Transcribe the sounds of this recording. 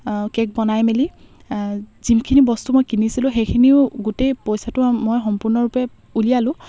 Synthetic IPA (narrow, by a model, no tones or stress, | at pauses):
kɛk̚bɔnajmeli | zimkʰinibɔstumɔjkinisilʊ̃xejkʰiniʊɡutejpɔjsatʊmɔjxɔmpʊɹnɔɹupɛ | ulijalʊ̃